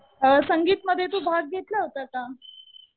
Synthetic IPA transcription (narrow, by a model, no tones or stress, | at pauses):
səŋɡiːt̪məd̪ʱːjet̪obʱaɡ̚ːʱet̪ləɦot̪aka